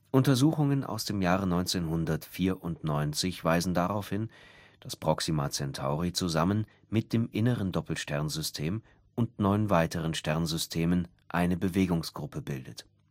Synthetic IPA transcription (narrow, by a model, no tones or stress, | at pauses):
ʔʊntɐzuːxʊŋənʔa̰ʊsd̥eːmjaːʁənɔʏnt͡seːnɦʊndɐtfiːɐʔʊntnɔʏnt͡sɪçv̥aɪzn̩daʁaʊfhɪnd̥aspʁ̥ɔksimat͡sɛntʰa̰ʊʁit͡suzamən | mɪt̚d̥eːmʔɪnəʁəndɔpl̩ʃtɛɐnzʏstʰeːm | ʔʊntnɔʏnvaɪtəʁənʃtɛɐnzʏstʰeːmən | ʔaɪnəbəveːɡʊŋsɡ̥ʁʊpəbɪldət